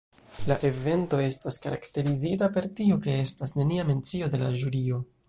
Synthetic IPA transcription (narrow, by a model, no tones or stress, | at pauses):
laʔe̞ve̞nto̞e̞staskaɾa̰kte̞ɾizitape̞ɾtioke̞e̞stasne̞niame̞nt͡sio̞de̞laʒuɾio̞